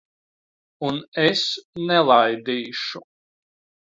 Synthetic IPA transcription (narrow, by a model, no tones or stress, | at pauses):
unɛsnɛlˠajd̪iːʃu